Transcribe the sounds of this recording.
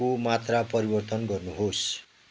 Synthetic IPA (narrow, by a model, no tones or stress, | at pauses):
omat̪rapʌɾibʌrt̪ʌnɡʌrnuɦos